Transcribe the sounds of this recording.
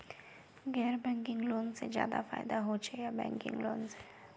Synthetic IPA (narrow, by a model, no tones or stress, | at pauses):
ɡɛːɾbɛ̃ŋkɪŋɡloːnsḛd͡ʒja̰ːd̪a̰fa̰ːjd̪aɦot͡ʃʰejabɛ̰̃ŋkɪ̰̃ŋɡlo̰ːnse